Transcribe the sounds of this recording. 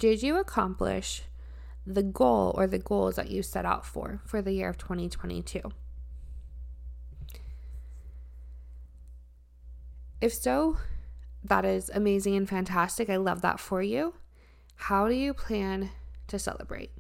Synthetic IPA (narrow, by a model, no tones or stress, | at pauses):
d̥ɪd͡ʒɨəkʰɑ̃mplɪ̰ʃ | ðɨɡoʊlˠə̰˞ðɨɡoʊlˠzðɨ̰t͡ʃɨ̥sɛ̰ɾa̰ʊtfə̰˞fə˞ðɨjɪɹʌv̥tʰw̥ɛ̃ɾ̃itʰw̥ɛ̰̃ɾ̃ḭtʰʉ | ɨfsoʊ | ðəɾɪzɨmeɪzɪ̃ŋɨ̃nfæ̃ntʰæstɨkaɪlʌ̰vðə̰tfə˞jʉ | haʊɾɨjɨpʰl̥æ̃ntʰɨsɛ̰lˠə̰b̥ɹḛɪt̚